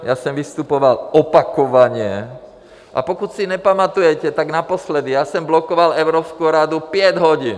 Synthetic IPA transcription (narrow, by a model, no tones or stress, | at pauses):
jasɔmʋist̪upɔʋalɔpakɔʋaɲɪɛ | ʔa̰pɔkucsiɲɛpamat̪ujɛcɛt̪aɡnapɔslɛd̪ijasɔmblɔkɔʋalɛʊɾɔːpskuɾad̪upɪɛɟɦɔɟiːn